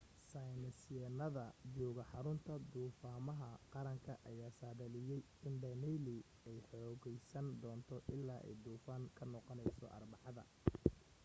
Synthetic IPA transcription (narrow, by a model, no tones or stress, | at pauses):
sajnɐsɛːnɐðɐd͡ʒuːɣɐħɑɾʊnt̪ʰɐd̪uːfaːmɐɦɐqɑɾɐŋkʰɐʔɐjaːsaːðɐlɪjɛj | ɪnɖɐnɛli | ɛjħɔːɣɛjsɐnd̪ɔːnt̪ʰɔʔɪlːaːʔɛ̰jd̪uːfaːŋkʰɐnɔqɔnɛjsɔ̰ʔɐ̰rbɑʕɑðɐ̰